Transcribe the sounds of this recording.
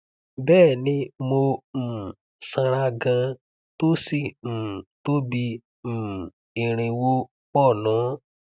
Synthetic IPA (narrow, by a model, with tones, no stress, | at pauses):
bɛː˦˨nĩ˧˦mo˧m̩˨ | sã˧ɾa˧ɡã˧ | to˦si˦˨m̩˨to˦bi˧˨ | ĩ˨ɾ̃ĩ˨wo˧ | k͡pɔ˦˨nɔ̃˨˦